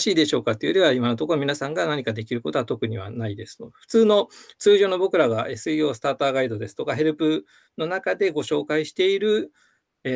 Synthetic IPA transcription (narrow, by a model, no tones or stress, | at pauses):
ɕiːd̪e̞ɕo̞ːkat̪ːejoɾʲiβaimano̞t̪o̞koomʲinasãŋɡanaɲ̟ikad̪e̞kʲiɾɯ̟ko̞t̪oat̪o̞kɯ̟ɲ̟iβ̞a̰naid̪e̞sɨ̥no̰ɸɯ̟̥t͡sɨːno̞t͡sɨːʑo̞ːno̞bo̞kɯ̟ɾaɡaesɨijo̞ːsɨ̥t̪aːt̪aːɡaid̪o̞d̪e̞sɨ̥t̪okaɦe̞ɾɯ̟pɯ̟ | no̞nakad̪e̞ɡo̞ɕo̞ːkaiɕi̥t̪e̞iɾɯ̟ | e